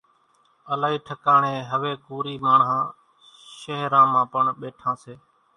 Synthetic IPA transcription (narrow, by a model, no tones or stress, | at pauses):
əlaːɦiːʈʰəkaːɳeːɦəʋeːkuːɾiːmaːɳɦãː | ʃəɦɾãːmãːpəɳɓeːʈʰãːseː